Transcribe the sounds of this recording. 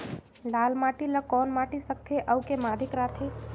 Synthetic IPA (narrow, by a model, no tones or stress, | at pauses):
laːlmaːʈiləkɔːnmaːʈisək̚t̪ʰeʔəukemaːd̪ʱɪkɾaːt̪ʰeː